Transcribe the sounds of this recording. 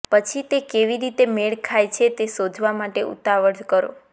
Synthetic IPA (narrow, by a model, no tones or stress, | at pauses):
pət͡ʃʰit̪ekeʋiɾit̪emeɭkʰajt͡ʃʰet̪esod͡ʒʱʋamaʈeʔṵt̪aʋəɽkəɾo̰